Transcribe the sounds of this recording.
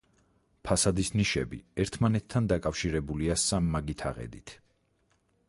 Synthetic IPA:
pʰasad̪isniʃɛbḭɛɾt̪ʰmanɛt̪ʰːand̪akʼafʃiɾɛbuliasamːaɡit̪ʰa̰ʁɛ̰d̪it̪ʰ

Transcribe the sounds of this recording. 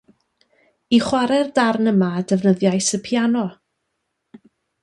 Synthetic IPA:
iχwaɾɛrdarnəmaːdɛvnəðjajsəpʰjanɔ

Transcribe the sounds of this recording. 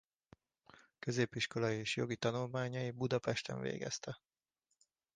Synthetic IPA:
kø̞zeːpːiʃko̞lɒjieːʃjo̞ɡit̪ɒnulmaːɲɒjibud̪ɒpɛʃt̪ɛ̰ɱvḛːɡɛ̰st̪ʰɛ

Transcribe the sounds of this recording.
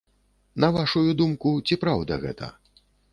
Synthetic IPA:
nɐvaʂujud̪umkut͡sʲipɾawd̪ɐ̰ɣɛ̰t̪ʰɐ̰

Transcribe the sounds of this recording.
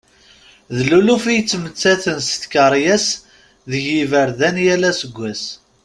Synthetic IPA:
ðlulufijt͡sːmət͡sːæθənsθkəɾˤjæs | ðəʝivəɾðænjælæsəɡʷːæs

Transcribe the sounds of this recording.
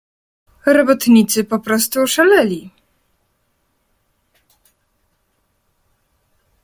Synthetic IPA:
ɾɔbɔt̪ɲit̪sɘpɔpɾɔst̪uʂalɛlʲi

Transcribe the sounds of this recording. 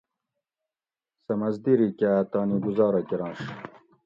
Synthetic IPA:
sɐmɐzd̪iɾikat̪ɑːniɡuzɑːɾɐkiɾɑ̃ːʂ

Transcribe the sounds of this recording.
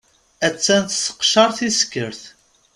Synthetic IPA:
æt͡sːænt̪sə̥qʃɑɾˤθiskːəɾθ

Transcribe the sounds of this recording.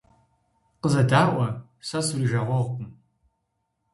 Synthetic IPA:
qəzɐdaːʔʷɐ | sɐsuriʒɐʁʷɔʁʷpʰʼʊm

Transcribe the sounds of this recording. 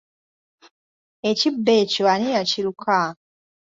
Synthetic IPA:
ecibːecoanijaciɾukʰa

